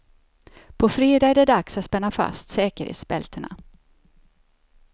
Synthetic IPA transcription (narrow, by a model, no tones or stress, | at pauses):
pʰɔfɾeːd̪ɑːɛɖɛɖ̪aksat̪spɛnːafa̰st̪sɛːkəɾhḛːt̪sbɛ̰lt̪ʰəɳa̰